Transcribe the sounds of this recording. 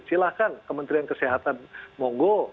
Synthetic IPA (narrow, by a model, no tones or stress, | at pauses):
t͡ʃilahkankəmənt̪ɾiankəsiɦat̪anmɔŋɡo